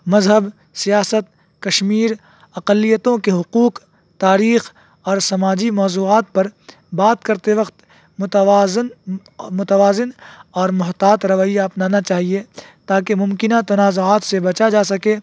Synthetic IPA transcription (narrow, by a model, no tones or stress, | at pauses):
mɐzɦəb | sijaːsət̪̚ | kɐʃmiːɾ | ɐqəlːijət̪õkeɦʊquːq | t̪aːɾiːx | ɔːɾsɐmaːd͡ʒimɔːzuːaːt̪̚pɐɾ | baːt̪kɐɾt̪eʋɐqt̪ː | n | mʊt̪əʋaːzɪnɔːɾmʊɦt̪aːt̪ɾɐʋaːijaɐpnaːnat͡ʃaːɦiet̪aːkemʊ̃mkɪnat̪ɐnaːzoaːt̪sebɐt͡ʃad͡ʒaːsɐkeː